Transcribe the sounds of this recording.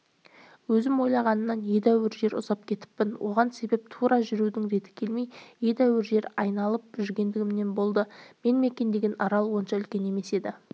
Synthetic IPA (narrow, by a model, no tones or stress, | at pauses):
wɵzɪmwo̞jlˠɑʁɑnənːɑnje̞d̪æwɪɾʒe̞ɾʊ̰zɑp̚kʲʰe̞t̪ɪ̥pːɪnwʔo̞̰ʁɑnse̞be̞p̚t̪ʰuɾɑʒʏɾud̪ɪŋɾe̞t̪ɪ̥kʲʰe̞lmejje̞d̪æwɪɾʒe̞ɾɑjnɑlˠəp̚ʒʏɾɡʲe̞nd̪ɪɡʲɪmne̞mbo̞lˠd̪əme̞nme̞kʲe̞nd̪e̞ɡʲenʔɑɾɑlˠwo̞nʃɑʏlkʲe̞ne̞me̞se̞d̪ɪ